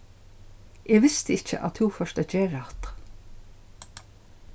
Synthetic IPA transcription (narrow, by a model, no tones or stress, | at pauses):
ʔeːʋɪst̪əɪc͡çə̰ʔɑ̰t̪huːfœʃt̪əd͡ʒeːɾɑt̪